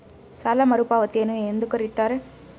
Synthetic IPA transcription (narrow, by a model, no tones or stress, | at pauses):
sɐlɐmɐɾɯpaːʋɐt̪ːeːnɯ̃end̪ɯkɐɾɪt̪ːaːɾɯ